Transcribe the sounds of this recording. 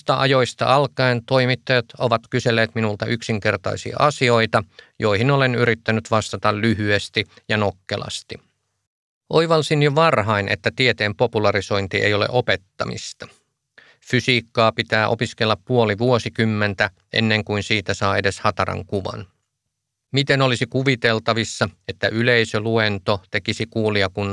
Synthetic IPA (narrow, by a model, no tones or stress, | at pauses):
st̪ɑʔɑjo̞jst̪ɑ̰ʔɑlkɑent̪o̞imit̪ːɑjɑt̪oʋɑt̪kyselːeːt̪minult̪ɑʔyksiŋke̞rt̪ɑ̰isḭɑ̰ʔɑsio̞it̪ɑjo̞ihinole̞nyɾit̪ːænyt̪ʋɑst̪ɑt̪ɑllyɦyest̪ijɑnokːḛlɑ̰st̪i | ʔoiʋɑlsinjoʋɑrɦɑinʔḛt̪ːæt̪iet̪eːmpo̞pulɑɾiso̞jnt̪iʔḛjo̞lḛʔo̞pet̪ːɑ̰mḭst̪ɑ̥ | fysiːkːɑːpit̪æːʔo̞̰piskelːɑppuoliʋuosikymːent̪æ | ʔḛnːeŋkuinsiːt̪æsɑːedeshɑt̪ɑɾɑ̰ŋkuʋɑ̰n | mit̪enolisikuʋit̪elt̪ɑʋisːɑet̪ːæʔyleisøluent̪ot̪e̞kisikuːliɑkunː